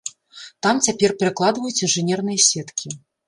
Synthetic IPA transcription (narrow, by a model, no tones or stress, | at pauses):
t̪amt͡sʲapʲɛrpʲɛɾɨklˠad̪vɐjut͡sʲinʐɨnʲɛrnɨjɐsʲɛt̪kʲʰi